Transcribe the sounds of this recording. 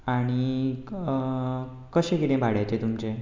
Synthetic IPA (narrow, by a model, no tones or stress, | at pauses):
aɽ̃i | kəɕẽkit̪ẽbʱaɽjajt͡ɕet̪umt͡ɕe